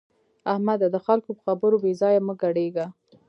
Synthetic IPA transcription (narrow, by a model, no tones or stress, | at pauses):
ahmad̪ad̪əxalkopə̥xabəɾobezɑjaməɡaɽeɡa